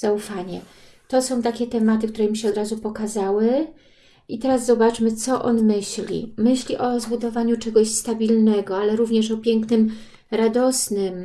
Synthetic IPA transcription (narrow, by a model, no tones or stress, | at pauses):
z̥aufaɲɛ | t̪ɔsɔ̃w̃t̪akʲɛt̪ɛmat̪ɘkt̪uɾɛmʲiɕɛɔd̪ɾazupɔkazawɘ | ʔit̪ɛɾazzɔbat͡ʂmɘt̪sɔʔɔnmɘɕlʲḭmɘɕlʲiʔɔzbud̪ɔvaɲut͡ʂɛɡɔɕst̪abʲilnɛɡɔalɛɾuvɲɛʂɔpʲjɛŋknɘm | ɾad̪ɔsnɘm